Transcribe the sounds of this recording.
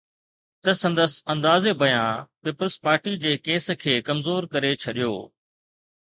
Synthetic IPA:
t̪ɐsɐ̃nd̪əsɐ̃nd̪aːzebʱɐjãpiːpəlspaːɾʈid͡ʑeːkeːs̆kʰeːkɐmzoːɾkɐɾet͡ɕʰɐɗijo̰ː

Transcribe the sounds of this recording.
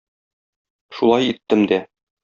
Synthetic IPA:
ʃulˠɑjit̪ːɘmd̪æ

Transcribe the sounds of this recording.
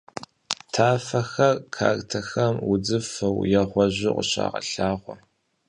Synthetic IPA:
tʰaːfɐxɐrkʰa̰ːrtʰɐxɐmwʊd͡zɨfɐwjɛʁʷɔʑʷɪqʷʊɕa̰ːʁɐ̰ɬaːʁʷɔ

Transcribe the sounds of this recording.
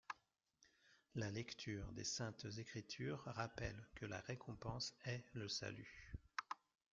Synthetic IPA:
lalɛkt̪ʰyːʁd̪ḛsɛ̃t̪zekχit̪ʰyːʁʁapɛ̰lkəla̰ʁekʰɔ̃pɑ̃sɛləsa̰ly̰

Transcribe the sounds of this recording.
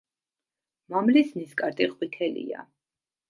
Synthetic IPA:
mamlisniskʼaɾt̪ʼiqʼwit̪ʰɛlḭa̰

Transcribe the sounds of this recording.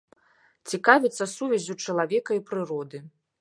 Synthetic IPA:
t͡sʲikavʲit̪sːɐsuvʲɛzʲut͡ʂɐlˠavʲɛkɐipɾɨɾɔd̪ɨ

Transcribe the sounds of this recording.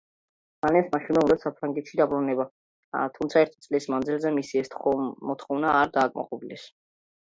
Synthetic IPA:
alɛnsmaʃinɛud̪asapʰɾaŋɡɛt̪ʃid̪abɾunɛba | t̪ʰumt̪sʰaɛɾt̪ʰit̪sʼlismanzilˠzɛmisiɛst̪mɔt̪ʰχɔvnaːɾd̪aːkʼma̰qʼɔbilɛs

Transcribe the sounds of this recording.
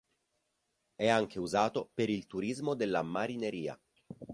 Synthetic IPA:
ɛaŋk̟ʰeuzaːt̪opeɾilt̪uɾizmod̪elːamaɾineɾiːa̰

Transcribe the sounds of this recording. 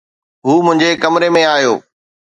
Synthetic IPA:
ɦuːmʊ̃ɦɪɲd͡ʑekɐmɾemẽaːjo̰ː

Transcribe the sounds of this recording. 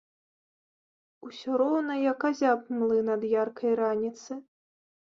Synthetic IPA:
usʲɔɾɔwnɐjɐkazʲap̚mlˠɨnɐd̪jarkʰɐjɾanʲit̪sɨ

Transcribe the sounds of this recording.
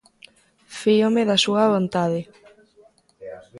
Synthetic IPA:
fiomeðɐsuɐβont̪aðɪ

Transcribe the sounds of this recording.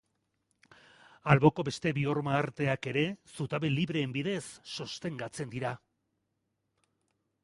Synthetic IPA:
alβo̞ko̞be̞st̪e̞βio̞ɾmaːɾt̪e̞ake̞ɾe̞sut̪aβe̞liβɾe̞ːmbiðe̞sːost̪e̞ŋɡat͡se̞nd̪iɾa

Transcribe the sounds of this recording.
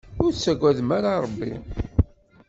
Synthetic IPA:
ʊɾt͡sːæɡʷːæðmaɾaɾˤəbːḭ

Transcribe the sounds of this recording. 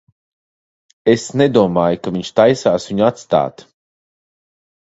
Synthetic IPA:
esned̪uɔmaːjukaviɲʃt̪ajsaːsviɲuat̪st̪a̰ːt̪

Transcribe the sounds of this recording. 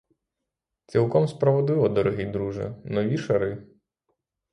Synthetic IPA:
t͡sʲilˠkɔmspɾɔʋɔd̪ɪlˠɔd̪ɔɾɔɦʲijd̪ɾuʒɐ̰nɔʋʲiʃɐɾɪ

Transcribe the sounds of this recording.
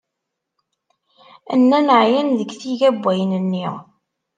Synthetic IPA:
ənːænəʕjænðəɡθiʝæbʷːæjənənːiʁ

